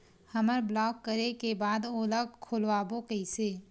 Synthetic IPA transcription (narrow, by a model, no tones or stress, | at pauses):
həməɾblɔːkːəɾekebaːd̪oːləɡkʰːʊlʋaːbokəɪseː